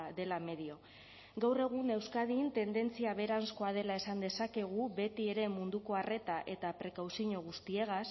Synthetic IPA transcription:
d̪e̞lame̞ðio̞ | ɡawre̞ɣ̞une̞wskaðint̪e̞nd̪e̞nt͡siaβe̞ɾansko̞að̞e̞lae̞sand̪e̞sake̞ɣ̞uβe̞t̪ie̞ɾe̞mund̪uko̞are̞t̪aʔe̞t̪apɾe̞kawsiɲoɣ̞ust̪ie̞ɣas

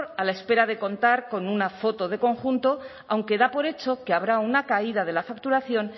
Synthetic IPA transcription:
ɾalae̞spe̞ɾaðe̞ko̞nt̪aɾko̞nunafo̞t̪o̞ð̞e̞ko̞ŋxunt̪o̞ | awŋke̞ðapo̞ɾe̞t͡ʃo̞keaβ̞ɾaunakaið̞að̞e̞lafak̚t̪uɾaθjo̞n

